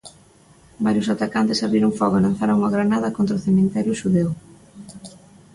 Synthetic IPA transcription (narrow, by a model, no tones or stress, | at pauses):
baɾjʊsat̪akant̪esaβɾiɾʊŋfɔɣalan̟θaɾaŋuɐɣɾanaðɐkont̪ɾaʊθemẽnt̪ɛɾjʊʃuðew